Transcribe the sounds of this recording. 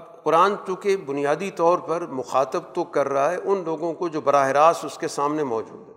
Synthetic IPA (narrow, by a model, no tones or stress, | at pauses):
bqʊɾaːnt͡ʃũːkebʊnijaːd̪it̪ɔːɾpɐɾmʊxaːt̪əb̚t̪okɐɾːɐɦaɦɛʔʊnloːɡõkod͡ʒoːbɐɾaːɦɪɾaːsʊskesaːmnemɔːd͡ʒṵːd̪ɦɛ